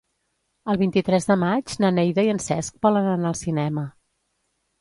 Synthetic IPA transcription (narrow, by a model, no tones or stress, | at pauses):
əlˠβint̪it̪ɾɛzðəmad͡ʒnənɛjðəiənsɛsk̚bɔlənənaəlˠsinɛmə